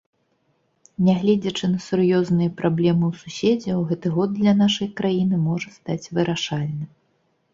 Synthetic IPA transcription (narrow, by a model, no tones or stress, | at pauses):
nʲɛɣlʲɛd͡zʲɐt͡ʂɨnɐsurjɔznɨjɐpɾʔablʲɛmɨwsusʲed͡zʲɛwɣɛt̪ɨɣɔd̪̚d̪lʲɐnaʂɐjkɾajinɨmɔʐɐst̪at͡sʲvɨɾaʂalʲnɨ